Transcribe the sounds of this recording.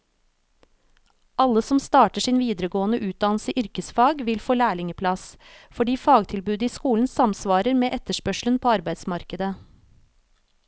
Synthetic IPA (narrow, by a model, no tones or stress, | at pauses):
ʔɑləsɔmst̪ɑːʈəʂiːnʋiːd̪ɾəɡoːənəʔʉːt̪̚d̪ɑnl̩səʔʏɾkəsfɑːɡʋɪlfoːlæːɭɪŋəpʰlɑs | fɔɖiːfɑːɡt̪ʰɪlbʉːd̪əiːskuːln̩sɑmsʋɑːɾəɾmeːʔɛt̪əʂpœʂlənpʰoːɑɾbæɪd̪smɑɾkəd̪ə